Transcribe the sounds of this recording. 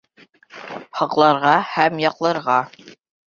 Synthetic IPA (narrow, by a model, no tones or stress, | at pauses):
hɑqlˠɑɾʁɑhæmjɑqlˠɤ̆ɾʁɑ